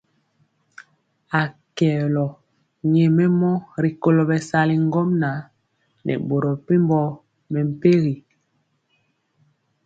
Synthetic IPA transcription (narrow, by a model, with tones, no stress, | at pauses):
a˨kɛ˨lɔ˨ | ɲɛ˨mɛ˦mɔ˦ɾi˨ko˦lo˨bɛ˨sa˦li˨ŋ˦ɡɔ˦mna˨˦ | nʔɛ̰˨ɓo˨ɾɔ˨pe˦m˦bɔ˦ | mɛ˨m̩˨pe˦ɣi˨